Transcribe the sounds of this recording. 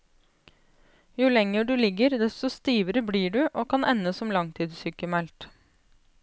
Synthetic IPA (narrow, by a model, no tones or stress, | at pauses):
jʊlɛŋːəɖʉlɪɡəɾd̪ɛst̪ɔst̪iːʋəɾəbliːɖʉʔoːkʰɑnʔɛnːəsɔmlɑŋt̪ʰiːd̪syːkəmælt̪